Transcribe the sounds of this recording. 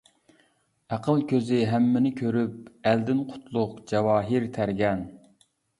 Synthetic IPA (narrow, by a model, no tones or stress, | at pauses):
æqʰəlˠkʲʰøzɪɦæmːɪnɪkʲʰøɾyp̚æld̪ɪnqʰʊ̥t̪ʰlˠʊqd͡ʒɛwɑːɦiɾt̪ʰæɾɡʲɛn